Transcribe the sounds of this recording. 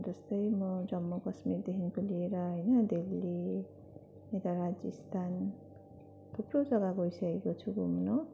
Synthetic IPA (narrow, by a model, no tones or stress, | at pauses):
d͡zʌst̪ʌjmʌd͡zʌmːokʌsmird̪eɦinkolieɾʌɦʌjnʌd̪ilːi | et̪aɾad͡zist̪ʰan | t̪ʰuprod͡zʌɡaɡojsʌkekot͡sʰuɡumno